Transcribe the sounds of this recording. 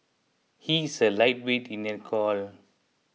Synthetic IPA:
hisəlajt̚wetĩnɛtkʰɔl

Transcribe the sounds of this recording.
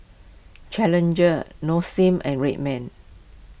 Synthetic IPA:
t͡ʃɛlə̃nd͡ʒənosĩmʔɛ̰̃nɹet̚mɛ̃n

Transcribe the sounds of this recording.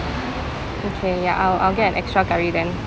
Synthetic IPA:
okʰeja̰ʔaɪla̰ɪlˠɡɛtə̃nʔɛkstɹ̥aɡaɹidɛ̃n

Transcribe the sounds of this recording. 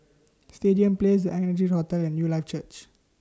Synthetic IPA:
stediə̃mples̬dəʔɛnəd͡ʒihɔtɛlɛ̃njuːlaɪft͡ʃət͡ʃ

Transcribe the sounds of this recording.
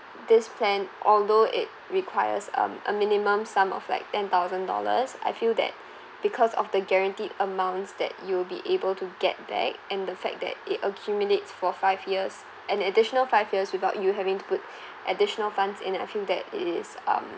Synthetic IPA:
d̪ɪspʰlɛ̃nʔɔldoʔɪ̰t̚ɹikʰw̥aɪə̰sʌ̰̃mə̰mɪnimə̃msãmɔ̰vla̰ɪk̚tɛ̃nt̪aʊzə̃ndɔ̰lə̰sa̰ɪfilˠdɛ̰t̚ | b̥ikʰɔsɔ̰fd̪əɡɛɹə̃ntidəmãʊ̃ntsd̪ɛ̰t̚juwɪlbḭʔebəltʰuɡɛ̰t̚b̥ɛ̰k̚ɛ̃ndəfɛ̰k̚d̪ɛ̰t̚ɪtəkʰjumjuletsfɔfaɪvjiəs | ʔɛ̃nədɪʃɔnəlfaɪvjiəswɪθaʊtjuɦɛvɪ̃ŋtu̥pʊt | ʔədɪʃənəlfãndsɪ̃naɪfilˠdɛ̰tɪ̰tɪsʌ̰̃m

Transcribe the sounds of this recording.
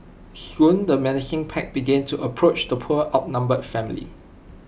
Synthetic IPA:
hjũndəmɛnɪd͡ʒɪ̃ŋpʰɛk̚b̥iɡɛ̃ntʰuʔəpʰɹot͡ʃdəpʰuəʔaʊt̚nãmbədfɛ̃mlḭ

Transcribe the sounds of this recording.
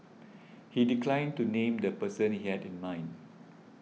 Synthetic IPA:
hidiklãɪ̃ntunẽmd̪əpəsə̃nhihɛdɪ̃nmãɪ̃n

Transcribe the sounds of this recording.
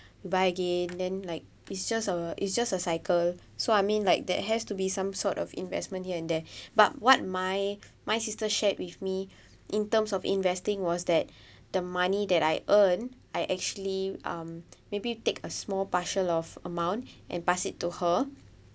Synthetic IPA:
jubaɪəɡẽndɛ̃nlaɪk̚ | itsd͡ʒasəʔḭtsd͡ʒasəsaɪkʰəl | soajmĩnlaɪk̚dɛ̰t̚ɦɛstubisãmsɔtɔ̰fḭ̃nvɛ̰smə̃nthiəɛ̃ndɛbat̚wɔt̚maj | majsistəʃɛt̚wifmi | ʔĩntə̃msɔfḭ̃nvɛstĩŋwɔsdɛt̚ | dəmanidɛtajʔən | ajʔɛk̚t͡ʃuəliʌ̰̃mːebitekʰəsmɔlpaʃənɔfə̰mãw̃ntʔɛ̰̃npasitːuhə

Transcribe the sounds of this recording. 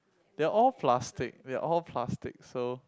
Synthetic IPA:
deaʔɔlpʰlastɪ̰k̚dea̰ʔɔlpʰlastɪk̚so

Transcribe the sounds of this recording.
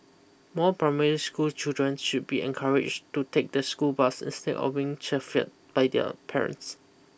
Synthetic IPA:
mɔpʰɹaɪmɛɹiskult͡ʃildɹə̃nsʃud̚biɛ̰̃nkʰaɹɪ̰d͡ʒtutʰek̚dəskulbasḭ̃nstɛ̰dɔ̰fbiɪ̃ŋt͡ʃɛfit̚b̥aɪdɛ̰pʰɛɹə̰̃nts

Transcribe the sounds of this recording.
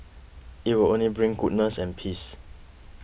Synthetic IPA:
it̚wilõnlibɹĩŋɡud̚nəsɛ̃npʰis

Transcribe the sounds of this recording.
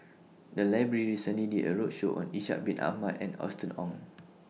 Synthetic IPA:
dəlaɪbɹəɹiɹisə̃nlidiʔəɹot̚ʃoʔɔ̰̃niʃa̰ʔ̚bĩnʔa̰hmatɛ̰̃nɔ̰stə̃nɔ̃ŋ

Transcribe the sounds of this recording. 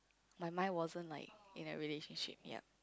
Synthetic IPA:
maɪmãnwɔzə̃nla̰ɪk̚ḭ̃nə̰ɹileʃə̃nʃḭp̚jɛ̰t̚

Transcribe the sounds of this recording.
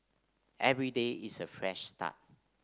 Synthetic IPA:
ʔɛvɹideisəfɹɛʃstʰa̰t̚

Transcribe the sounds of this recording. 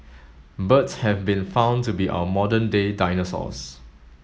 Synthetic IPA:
bətshɛvbĩnfãʊ̃ntubiʔa̰əmɔdə̃ndedaɪnəsɔ̰s

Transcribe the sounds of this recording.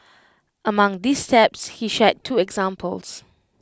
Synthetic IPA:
ʔəmãŋdistɛpshiʃɛtʰːuɛɡzãmpʰəls

